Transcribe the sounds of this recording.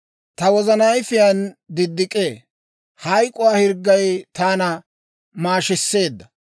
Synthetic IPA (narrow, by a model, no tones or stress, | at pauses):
t̪ɐwɔzɐnɐjfɪjand̪ɪd̪ːɪkʼːeː | hɐjkʼʊwaːhɪɾɡːɐjt̪aːnɐ | maːʃɪsːe̞ːd̪ːɐ